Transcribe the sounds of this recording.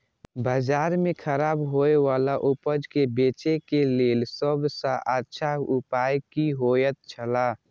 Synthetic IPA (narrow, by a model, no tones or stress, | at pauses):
bəd͡ʒaːɾmẽkʰəɾaːbɦoewaːlaʔʊpəd͡ʒkebeːt͡ʃekeleːlsəbsaʔatːʃʰaʊpaːjkiɦoːjət̪̚t͡ʃʰəla